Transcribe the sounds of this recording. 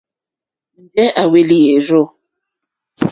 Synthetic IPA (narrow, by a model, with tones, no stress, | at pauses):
n̩˨d͡ʒɛ˦ʔa˨we˦li˦je˨ɾo˦˨